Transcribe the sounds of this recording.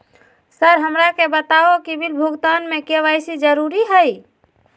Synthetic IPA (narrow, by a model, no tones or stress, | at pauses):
səɾɦəmɾakebət̪aokibʱilbʱuɡt̪anmẽkeʋajsid͡ʒəɾuɾiɦəj